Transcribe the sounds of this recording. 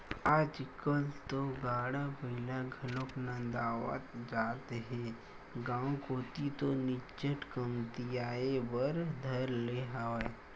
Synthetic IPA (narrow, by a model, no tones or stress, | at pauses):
aːd͡ʒkəlt̪oɡaːɽabəɪlaɡʱəloknãd̪aːwa̰t̪d͡ʒaːt̪ɦɛ̃ | ɡãːkoːt̪it̪onɪt͡ʃəʈkəmt̪ijaːebəɾd̪ʱəɾleɦaːʋa